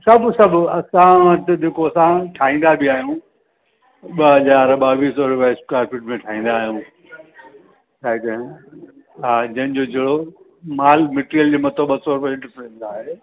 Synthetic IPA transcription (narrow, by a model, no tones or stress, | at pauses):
sɐbʱsɐbʱɐsãɐt̪ɪd͡ʑeːkoɐsãʈʰaːɦĩːn̆d̪abʱɪaːɦijũː | ɓɐɦɐzaːɾɓaːʋiːsɔːɾʊpaskaːɾfʰɪʈmẽʈʰaːɦĩːn̆d̪aːɦijũː | t͡ɕʰaːɦek̪ɐ̃ | ɦãːd͡ʑɐ̃ɦɪnd͡ʑod͡ʑʱeːɽo | maːlmeʈɾijəld͡ʑeːmɐt̪əɓɐsɔɾʊpẽɪ̃ɳʈəɾpʰeɾnd̪aːɦeː